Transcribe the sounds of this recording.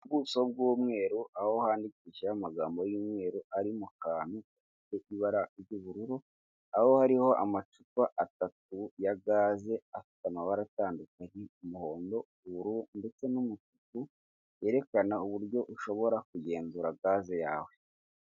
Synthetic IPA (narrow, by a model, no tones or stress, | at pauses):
ubɡuːso̞b̚ɡuːmŋe̞ːɾuʔaho̞haːndikiʃamaɡaːmbo̞juːmŋe̞ːɾuaɾimukaːnuafite̞ʔiβaɾaʔiɾɟuβuɾuɾu | aho̞haɾiho̞ʔa̰mat͡ʃupaʔatat̚ujaɡaːze̞afi̥tamaβaɾataːndukaɲeumuho̞ːndo̞ | uβuɾunde̞t͡se̞numut͡ʃuku | je̞ɾe̞kanauβuɾɟo̞ʔuʃo̞βo̞ɾak̚uje̞ːnzuɾaɡaːzeja̰ːwe̞